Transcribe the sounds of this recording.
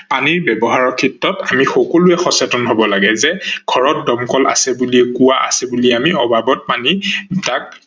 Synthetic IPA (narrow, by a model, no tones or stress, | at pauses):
paniɹbɛbɔɦaɹɔkʰitːɔtamixɔkɔlʊɛxɔsɛtɔnɦobɔlaɡɛzɛɡ̥ʱɔɹɔt̚dɔmkɔla̰sɛbuliɛkuwaʔa̰sɛbuliɛamiɔbʱabɔt̚panitak̚